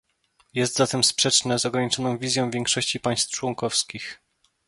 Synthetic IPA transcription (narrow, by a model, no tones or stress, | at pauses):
jɛst̪zat̪ɛmspʂɛt͡ʂnɛzɔɡɾaɲit͡ʂɔnɔ̃w̃vʲizʲjɔ̃w̃vʲjɛŋkʂɔɕt͡ɕipaj̃st̪t͡ʂwɔŋkɔfskʲix